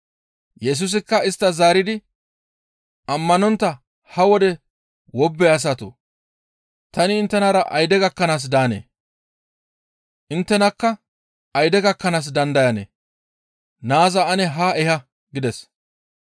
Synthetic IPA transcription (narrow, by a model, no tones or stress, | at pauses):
jɛs̬ʊs̬ɪkːɐɪst̪ːɐzaːɾɪd̪ɪ | ʔɐmːɐnɔnt̪ːɐ | hɐwɔd̪ɛ | wɔbːɛɐs̬ɐt̪o̰ː | t̪ɐnɪːnt̪ːɛnaːɾɐʔɐjd̪ɛɡɐkːɐnaːs̬d̪aːnḛː | ʔɪnt̪ːɛnɐkːɐ | ɐjd̪ɛɡɐkːɐnaːs̬d̪ɐnd̪ɐjɐnḛː | naːzɐɐnɛɦaːʔɛɦɐ | ɡɪd̪ɛs